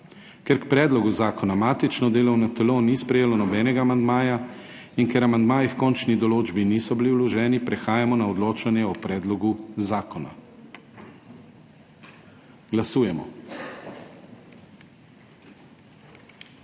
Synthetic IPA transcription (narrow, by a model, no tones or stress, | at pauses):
kɛɾkpɾɛːd̪lɔɡuzaːkɔnamaːt̪it͡ʃnɔd̪eːlɔwnɔt̪ɛlonispɾɛjeːlɔnɔbɛːnɛɡaːmand̪maːja | inkɛɾamand̪maːjixkɔnt͡ʃnid̪ɔloːd͡ʒbinisɔbiliwlɔʒɛːnipɾɛxaːjamɔnaɔd̪loːt͡ʃanjɛɔpɾɛːd̪lɔɡuzaːkɔna̰ | ɡlasuːjɛmɔ̰